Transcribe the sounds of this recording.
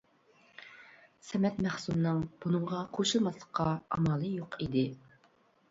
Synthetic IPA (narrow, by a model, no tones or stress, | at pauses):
sɛmɛt̪mæχsumnɨŋb̥unɨɴʁɑqʰoʃulˠmɑslˠə̥χqːɑɑ̰mɑlˠɨjoqʰid̪ɪ